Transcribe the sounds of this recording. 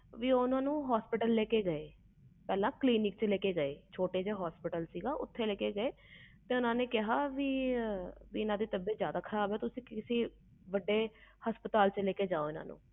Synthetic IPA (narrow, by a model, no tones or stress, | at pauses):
ʋiːoʊnãːnũːɦaːspɪʈəlːeːkeːɡəeː | pɛːlãːkliːnɪk̚t͡ʃleːkeːɡəeːt͡ʃʰoːʈeːd͡ʒeːɦɔːspɪʈəlsiːɡaːʔʊt̪ʰːeːleːkeːɡəeː | t̪eːʊnãːneːkɪɦaːʋiː | ʋiːɪnãːd̪eːt̪əbeːzjaːd̪aːkʰəɾaːbɛːt̪ʊsĩːkɪsĩː | ʋəɖːeːhəspət̪aːlt͡ʃleːkeːd͡ʒaːoːɪna̰ːnṵ̃ː